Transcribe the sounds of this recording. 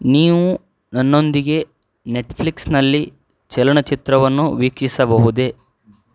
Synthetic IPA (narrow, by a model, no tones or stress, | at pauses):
niːʋu | nɐnːo̞nd̪iɡe̞ | ne̞ʈpʰliksnɐlːi | t͡ʃɛlɐɳɐt͡ʃit̪ɾɐʋɐnːuʋiːkʂisɐbɐɦud̪e̞